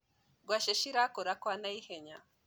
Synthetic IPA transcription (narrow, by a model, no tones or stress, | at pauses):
ɡwaʃeʃiɾakoɾakwanajiheɲa